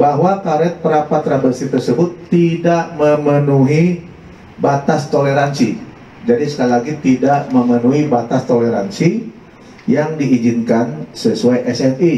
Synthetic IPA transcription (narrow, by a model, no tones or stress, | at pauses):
baɦwakaɾɛt̪̚pəɾapat̪ːɾabərsit̪ərsəbʊt̪ːidaʔməmənuɦi | bat̪ast̪oleɾansḭ | d͡ʒadisə̥kalilaɡit̪idaʔməmənuɦibat̪ast̪oleɾa̰nsi | jaŋdiʔid͡ʒinkansəsuajʔɛsɛni